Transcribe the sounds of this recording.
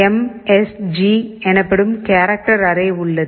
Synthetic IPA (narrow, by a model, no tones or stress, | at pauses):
em | esd͡ʒiɛnɐpːeɽɯmkaːɾɐk̚ʈɐɾɐreːuɭːɐð